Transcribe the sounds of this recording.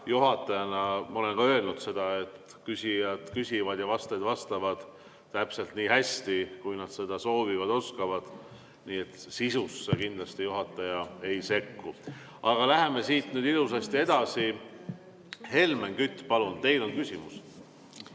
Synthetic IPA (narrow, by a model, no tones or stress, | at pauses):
juɦɑt̪ːˑɑjɑnɑmɑo̞le̞nkɑø̞e̞lnud̪̥se̞d̪̥ɑe̞t̪ | kysʲijɑd̪̥kysʲivɑd̪̥jɑvɑst̪ɑjd̪vɑst̪ɑvɑd̪̥ː | æpse̞lt̪niːhæsʲt̪ikujnɑd̪̥se̞d̪̥ɑso̞ːvivɑd̪o̞skɑvɑd̪̥ | niːet̪sisusːekind̪lɑst̪ijuɦɑt̪ːˑɑjɑe̞jse̞kːu | ɑɡ̥ɑlæɦe̞me̞siːt̪nyːd̪ilus̬ɑst̪ie̞d̪̥ɑsi | he̞lme̞nkyt̪ːˑpɑlunt̪e̞jlo̞nkysʲimus